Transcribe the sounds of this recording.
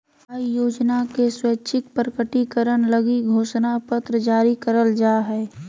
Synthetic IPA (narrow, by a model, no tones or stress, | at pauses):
aːijoːd͡ʒnakesweːt͡ʃʰɪk̚pɾəkəʈikəɾəñləɡiɡʱoːʃnapət̪ɾəd͡ʒaːɾikəɾəld͡ʒaːɦɛː